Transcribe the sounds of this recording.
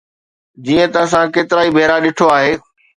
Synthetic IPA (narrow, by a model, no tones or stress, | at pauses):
d͡ʑiːə̃t̪ɐs̬ãkeːt̪ɪɾaːibʱeːɾaɗɪʈʰoaːɦeː